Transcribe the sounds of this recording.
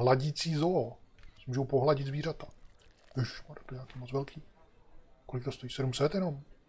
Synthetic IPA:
ɦlaɟit͡siːzoːsmuːʒowpoɦlaɟɪd̪zviːr̝at̪ḁɪʃmaːdat̪oɲaːkiːmot͡svɛlkʰiː | kolɪkt̪ost̪ojiːsɛdumsɛt̪jɛno̞m

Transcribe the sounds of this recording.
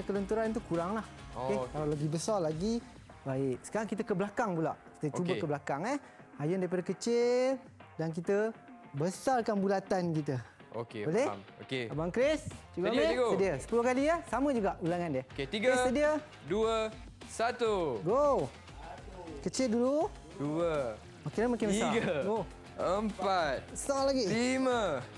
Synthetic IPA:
kələnt̪uɾant̪̬ukuɾaŋlahekalawlaɡibəsarlaɡi | baɪʔsə̥kaɾaŋkit̪əkəblakaŋpula̰ʔki̥t̪əət͡ʃuəkəblakaŋəh | hajʊndaɾipadakət͡ʃɪl | dank̬it̪ə | bəsarkanbulat̪ankit̪ə | o̰keboleokeabaŋkɾesd͡ʒuɡaeɡsədiəsə̥pulʊhkaliəsamə̃d͡ʒuɡaʔulaŋandiəket̪iɡəesədiə | duə | sat̪uɡo | kət͡ʃɪldulu | duə | makɪnlamakɪnbəaɡɡo | əmpat̪̚salaɡiimə

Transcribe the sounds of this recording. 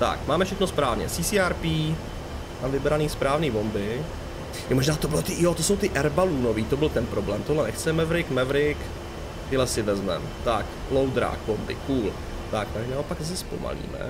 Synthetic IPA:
t̪a̰kmaːmɛfʃɛxnospɾaːvɲɛ̰siːsiːaɾpiː | navɪbɛɾaniːspɾaːvniːbo̞mbɪ | moʒnaːt̪obɪlot̪ɪjot̪oso̞wt̪ɪʔɛɾbaluːno̞viːt̪obɪlt̪ɛnpɾo̞blɛːmt̪odlɛnɛxt͡sɛmɛvɾɪkmɛvɾɪk | t̪ɪlɛsɪvɛzmɛ̰mt̪ak | lowd̪ɾa̰ːkbo̞mbɪ̰kuːl | t̪akmaʒnaopakzas̬ɛspo̞̰ma̰lḭːmɛ̰

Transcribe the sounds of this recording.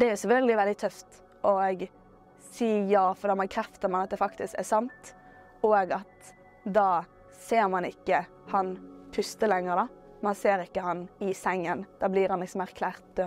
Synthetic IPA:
d̪ɛæɾjʊsɛfœld̪ɪʋɛld̪ɪt̪ʰœft̪ | ʔɔɡ | siːjɑːfɔɾd̪ɑːmɑkʰɾɛft̪əɾmɑnɑt̪̚d̪ɛfɑkt̪ɪskæ̰ɾsɑnt̪ | ɔːɡɑt̪ | d̪ɑː | seːɾmɑnɪkːə | hɑnpʰʉst̪əlɛŋːəɾd̪ɑ | mɑnseːɾɪkːəhɑnɪsɛŋːənd̪̥ɑːbliːɾhɑnlɪksɔmæɾkʰlæːɾt̪̚d̪̥øː

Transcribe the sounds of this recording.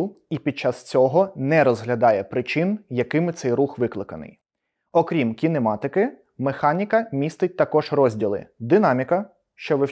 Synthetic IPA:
ipʲid̪̚t͡ʃːɑst͡sʲɔɦɔnɛɾɔzɦlʲɐd̪ɑjɛpɾɪt͡ʃɪnjɐkɪmɪt̪sɛjruxʋɪklˠɪkɐnɪ̰j | ɔkɾʲimkʲinemɑt̪ɪkɪ | mexɑnʲikɐmʲist̪ɪt̚ʲt̪ɐkɔʒrɔzʲdʲilˠɪ̰d̪ɪnɑmʲikɐ | ʃt͡ʃɔʋɪ

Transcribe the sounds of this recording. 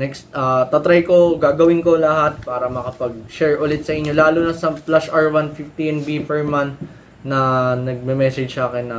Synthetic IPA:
nɛksʔɐːt̪ɐt̪ɾajko̞ɡaːɡɐwɪnko̞lɐɦat̪̚paːɾɐmɐkɐpɐɡ̚ʃɛɹʔʊlɪt̪sɐʔɪɲːo̞laːlʊnɐsɐplasʔaɹwanfɪft̪inbipɛɹmant̪ | nɐnɐɡ̚mɛmɛːsɛd͡ʒsaːkɪnːɐ

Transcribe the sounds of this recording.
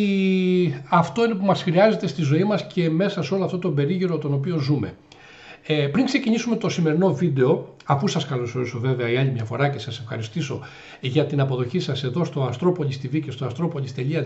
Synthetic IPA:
ɐft̪o̞inepumɐsxɾiɐze̞t̪e̞st̪izo̞imɐsce̞me̞sɐseo̞loɐft̪ot̪obe̞ɾiʝiɾo̞t̪o̞no̞pio̞zume̞̰ | pɾiŋkse̞ciɲisume̞t̪o̞sime̞ɾino̞vid̪e̞o̞ | ɐpusɐskɐloso̞ɾiso̞ve̞ve̞ɐiɐʎimɲɐfo̞ɾɐce̞sɐse̞fxɐ̰ɾist̪iso̞̰ | ʝɐt̪inɐpo̞ðo̞çisɐse̞ðo̞st̪o̞ɐnst̪ɾo̞po̞lʲist̪ivice̞st̪oɐst̪ɾo̞polʲist̪e̞ʎiɐ

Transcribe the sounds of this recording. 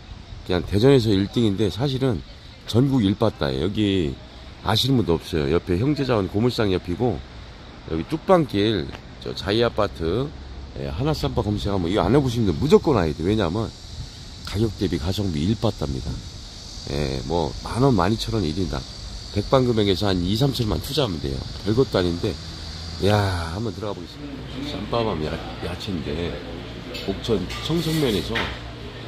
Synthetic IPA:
kɯɲaŋte̞d͡ʑʌne̞s̬ʰʌiɭt͈iŋinde̞sʰaɕ̬ʰiɾɯn | t͡ɕʌnɡuɡiiɭp͈at̚t͈a̰jḛjʌɡi | a̰ɕ̬ʰimɯndʌp̚s͈ʌjo̰jʌpʰe̞çjʌŋd͡ʑe̞d͡ʑaʌnkomuɕisaŋijʌpʰiɡo | jʌɡit͈uk̚p͈aŋk͈iɭ | t͡ɕʌ̰t͡ɕaiap͈atʰɯ | jḛɦanas͈ampʰakʌmsʰeɡamwʌiɡʌa̰neboɕ̬ʰimindɯnmud͡ʑʌk͈ʌnaedewe̞ɲamjʌn | kaɡjok̚t͈e̞bikasʰʌŋbiːɭp͈at̚t͈amɲḭda̰ | jḛmwʌ̰manʌnma̰ɲit͡ɕʰʌɾʌniɾinda̰ | pe̞k̚p͈aŋɡɯme̞ɡesʰʌanis̬ʰamt͡ɕʰʌɭma̰ntʰud͡ʑaamɯnde̞̰jo̰kʌɭɡʌt̚t͈oaɲinde̞ | jahambʌntɯɾʌɣaboɡes͈ɯmidas͈a̰mpʰamamja̰ | jat͡ɕʰinde̞ | mok̚t͡ɕʰʌnt͡ɕʰʌŋsʰʌŋmjʌne̞sʰʌ

